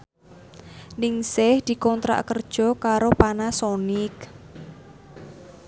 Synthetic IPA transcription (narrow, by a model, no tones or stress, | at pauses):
nɪŋsɪhd̪̥i̤kɔnt̪ɾa̰ʔkərd̥ʒ̥ɔ̤kaɾopanasɔnɪk